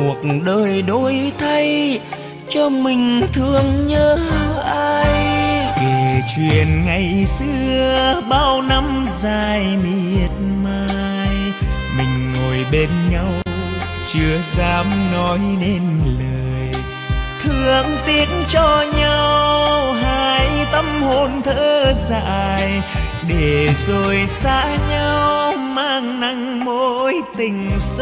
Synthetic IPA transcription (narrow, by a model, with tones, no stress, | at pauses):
u˨˩ət̩̚ɗəː˧˩jɗo˧jt̪ʰa˧j | t͡ɕɔ˧mï˨˩ŋ̟t̪ʰɨ˧əŋɲəː˧ʔaː˧jke˨˩t͡ɕwi˨˩ənŋa˨˩jsɨ˧əɓaː˧wna˧m | zaː˧jmi˧˩˨ət̚maː˧ | j | mï˨˩ŋ̟ŋo˨˩jɓe˧nɲa˧w | t͡ɕɨ˧əzaː˨˧˦mnɔ˨˦jne˧nləː˨˩j | t̪ʰɨ˧˨əŋt̪i˨˦ənt͡ɕɔ˧ɲa˧wwɦaː˧jt̪ə˧mho˧˨˩nt̪ʰəː˧za̰ː˧˨j | ɗe˧˩zo˨˩jsaː˧˥ɲa˧wmaː˧ŋna˧˦ŋ | mo˧jt̪ï˨˩ŋ̟s